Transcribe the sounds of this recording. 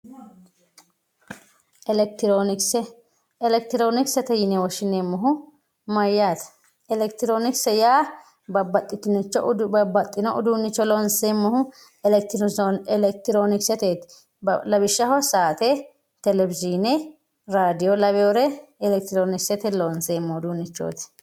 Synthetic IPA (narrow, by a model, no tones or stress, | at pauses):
ʔɛlɛk̚t̪ɪɾonɪksɛ | ɛlɛkt̪ɪɾoːnɪksɛt̪ɛjɪnɛwɔʃɪneːmːɔɦʊ | mɐjːaːt̪ɐ̥ | ɛlɛkt̪ɪɾoːnɪksɛjaː | bɐbɐt̪ʼːɪt̪ɪnɪt͡ʃːɔɐbɐt̪ʼːɪnɔʔʊd̪uːnːɪt͡ʃːɔlɔnsemːɔhʊ | t̪ɛlɛk̚t̪ɪɾoːnɪksɛt̪eːt̪ | lɐbɪʃːɐhɔsaːt̪e | t̪ɛlɛbɪziːnɛ | ɾaːd̪ɪjɔlɐβjɔɾɛɛlɛk̚t̪ɪɾoːnɪksɛt̪ɛloːnseːmːɔʊd̪uːnːɪt͡ʃːo̰ːt̪ɛ̥